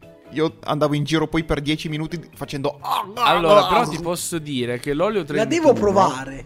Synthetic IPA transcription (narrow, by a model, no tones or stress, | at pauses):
iːoa̰nd̪aːvoind͡ʒiːɾopɔjperd̪jɛːt͡ʃiminuːt̪ifat͡ʃɛnd̪oaalːoːɾapeɾɔt̪ːipɔsːod̪iːɾekelɔleot̪ɾelad̪ɛːvopɾovaːɾe